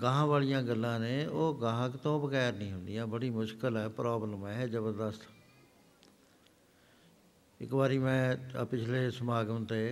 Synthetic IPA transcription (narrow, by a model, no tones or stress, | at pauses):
ɡãːɦãːʋaːlijãːɡəlːãːneːoːɡãːɦəkt̪õːbəkɛːɾnĩːɦʊnd̪ijãːbəɽiːmʊʃkəlɛːpɾaːbləmɛːd͡ʒəbəɾd̪əst̪ʰ | ɪ̰kbaːɾiːmɛ̃ːpɪt͡ʃʰleːsəmaːɡət̪eː